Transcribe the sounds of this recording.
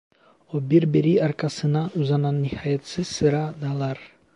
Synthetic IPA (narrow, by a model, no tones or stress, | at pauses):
obiɾbeɾiɑɾkɑsɯnɑuzɑnɑnːihɑjɑt̪sɯz̥sɯɾɑd̪ɑlˠɑɾ